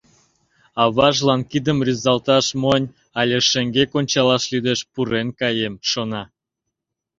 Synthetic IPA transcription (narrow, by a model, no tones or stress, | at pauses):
ɑβɑʒlɑnkid̪əmrʲyzɑlt̪ɑʃmonʲ | ɑlʲeʃĕŋɡekonʲt͡ɕɑlɑʃlyd̪eʃpuɾenkɑjemʃonɑ